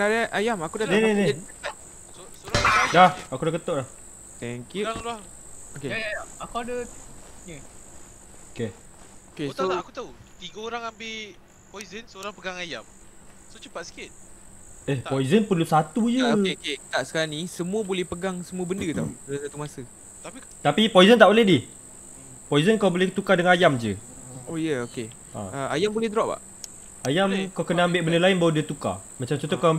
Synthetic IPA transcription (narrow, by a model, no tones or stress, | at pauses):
adaʔajamakudahnenedeəəpa | sosəɾadahakudahkət̪oʔdah | t̪ɛŋkjuaŋla | okeakuadə | oke | okesoakut̪aut̪iɡaoɾaŋambe | pɔjzənsəoɾaŋpəɡaŋajam | sot͡ʃəpat̪si̥kɪt̪̚ | ehpɔizənpərlusat̪ud͡ʒəoeoket̪aʔsə̥kaɾaŋnĩsəmũəbolɛhpəɡaŋsəmũəbəndət̪aṵəəsat̪umasə | t̪api | t̪apipɔizənt̪aʔbolɛhdih | pɔizənkaawbolɛkt̪ukadəŋanajamd͡ʒəojəoke | ã̰əa̰jambolɛhdəɾaʔba̰ʔ | ajamkawkənaambɪʔbəndəlaɪnbawədiət̪uka̰mat͡ʃamt͡ʃɔnt̪oka